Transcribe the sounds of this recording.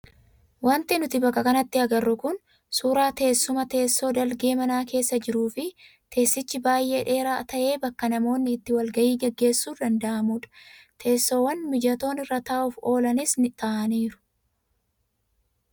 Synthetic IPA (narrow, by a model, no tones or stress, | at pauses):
wɐnt̪ɪnʊt̪ɪbɐkːɐkɐnɐt̪ːɪɐɡɐrːʊkʊn | suːɾaːt̪e̞ːsːʊmɐt̪e̞ːsːo̞ːd̪ɐlɡe̞ːmɐnaːke̞ːsːɐd͡ʒɪɾuːfɪ | t̪ʰe̞ːsːɪt͡ʃːɪbaːjʔe̞ːᶑe̞ːɾaːt̪ɐʔe̞ːbɐkːɐnɐmo̞ːnːɪːt̪ːɪwɐlɡɐjiːɡɛɡːe̞ːsːuːd̪ɐnd̪ɐʔɐmuːᶑɐ̥t̪ʰe̞ːsːo̞ːwɐnmɪd͡ʒɐt̪o̞ːnɪrːɐt̪ɐːʔuːfo̞ːlɐnɪsnɪt̪ɐʔɐniːɾʊ̥